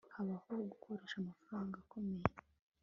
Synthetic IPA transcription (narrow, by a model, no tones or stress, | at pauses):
haβahoɡukʰo̞ɾe̞ːʃamafɾaːŋɡakʰome̞je